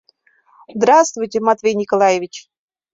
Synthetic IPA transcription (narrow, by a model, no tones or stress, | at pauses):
zd̪ɾast̪vʊjtʲemat̪vʲejnʲɪkolˠajevʲit͡ɕ